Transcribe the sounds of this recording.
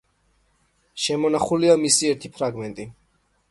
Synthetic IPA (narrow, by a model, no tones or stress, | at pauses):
ʃɛmɔnaχuliamisiɛɾt̪ʰipʰɾaɡmɛnt̪ʼi